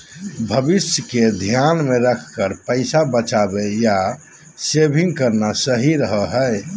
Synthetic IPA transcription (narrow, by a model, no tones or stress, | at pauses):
bʱəbisjəked̪ʱijanmeɾəkʰkəɾpəɪsabət͡ʃabeja | sebʱiŋɡkəɾnasəɦiɾəɦəɦə